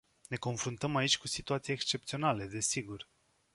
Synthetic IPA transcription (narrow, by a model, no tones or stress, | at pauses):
ne̞ko̞nfɾunt̪əmait͡ʃʲkusit̪uat̪sijekst͡ʃe̞p̚t̪sio̞nale̞d̪e̞siɡur